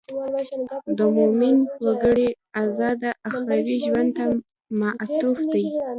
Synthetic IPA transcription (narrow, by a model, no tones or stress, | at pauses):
d̪əmomɪnwaɡəɽe | azɑd̪aʔaxɾawiʒwand̪̚t̪a | maʔt̪ufd̪aj